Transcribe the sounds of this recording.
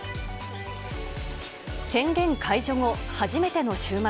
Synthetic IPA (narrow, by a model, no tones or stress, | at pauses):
sẽ̞ŋɡẽ̞ŋkʰaiʑo̞ŋohaʑime̞t̪e̞no̞ɕɨːma